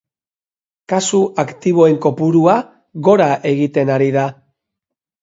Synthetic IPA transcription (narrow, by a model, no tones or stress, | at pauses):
kasuʔakt̪iβ̞o̞e̞ŋko̞puɾua | ɣo̞ɾaʔe̞ɣit̪e̞naɾiða